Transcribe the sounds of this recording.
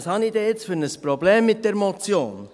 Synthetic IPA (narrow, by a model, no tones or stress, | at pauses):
shɑnid̥ɛjɪt͡sfʏɾnəspɾobleːmːɪt̚dɛɾmɔt͡sjoːn